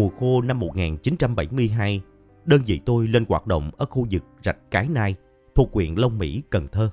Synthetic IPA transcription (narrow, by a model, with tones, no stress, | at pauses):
u˨˩əxo˧na˧mːo˨˩t̚ŋaː˨˩nt͡ɕi˨˦nt͡ɕa˧mɓa˧˩jmɨ˧əjɦaː˧j | ɗəː˧nzḭ˧˨t̪o˧jle˧nɣwaː˨˩t̚ɗo̰˧˨wŋ͡mʔəː˧˩xu˧zɨ˨˩k̚za˨˩jk̟̚kaː˨˦jnaː˧j | t̪ʰu˨˩əkːwḭ˧˨ənlə˧wŋ͡mmḭ˧˥kə˨˩nt̪ʰəː˧